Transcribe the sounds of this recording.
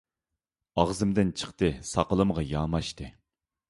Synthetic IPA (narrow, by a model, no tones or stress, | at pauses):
ɑʁzɨmd̪ɪnt͡ʃʰə̥qt̪ɨsɑqəlˠɨmʁɑjɑːmɑʃt̪ɨ